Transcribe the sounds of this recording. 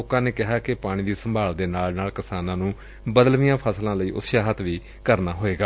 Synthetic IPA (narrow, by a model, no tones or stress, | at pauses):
oːkãːneːkɪɦaːkɪpaːɽ̃iːd̪iːsəmbʱaːld̪eːnaːlnaːlkɪsaːnãːnũː | bəd̪əlʋijãːpʰəslãːləiːʔʊ̰t̪ʃaːɦət̪ʰʋiː | kəɾnaːɦoːeːɡaː